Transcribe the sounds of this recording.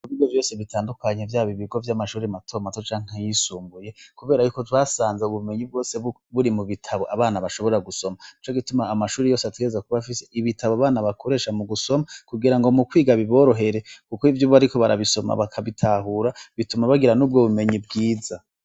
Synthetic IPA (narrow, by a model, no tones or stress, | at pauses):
kuβidjovjo̞ːse̞βitʰaːndukaɲe̞vjaːβiβiɡo̞vjamaʃuːɾematʰo̞matot͡ʃaːŋ̥ajisuːmbuje̞kuβe̞ːɾajukotwasaːnzeuβume̞ɲib̚ɡo̞ːse̞ | βuɾimuβitʰaβo̞ʔaβaːnaβaʃo̞βo̞ɾaɡuso̞mait͡ʃo̞ɡitumaːmaʃuːɾejo̞ːsetwezakuβafise̞ʔiβitʰaβoaβaːnaβakʰo̞ɾe̞ːʃamuɡuso̞makuɡiɾaŋɡo̞mukwiːɡaβiβo̞ːɾo̞ɦe̞ɾe̞kukoivjuːβaɾiko̞βaɾaβiso̞ma̰βakʰaβitʰaɦuːɾaβitumaβaɡiɾanuːb̚ɡo̞βume̞ɲib̚ɡiːza